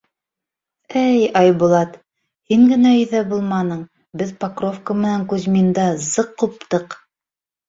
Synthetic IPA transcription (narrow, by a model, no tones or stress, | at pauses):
æjɑjbulˠɑt̪ | hiŋɡɘ̆næɵ̆ðæbulˠmɑnɤɴ | bɘðpakrofkəmɘ̆næŋkʉzmind̪ɑzɤqːup̚t̪ɤq